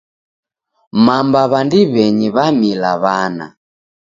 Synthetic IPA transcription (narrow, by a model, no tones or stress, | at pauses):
mambaβandiβɛɲiβamilaβana̰